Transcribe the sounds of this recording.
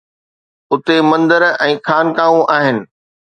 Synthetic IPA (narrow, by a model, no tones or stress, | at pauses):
ʊt̪emɐ̃nd̪əɾɛ̃ːxaːnkaːʋũʔaːɦɪnɪ̆